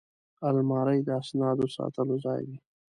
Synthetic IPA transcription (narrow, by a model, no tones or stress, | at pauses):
almɑɾəjd̪əasnɑd̪osɑ̰t̪əlozɑjwi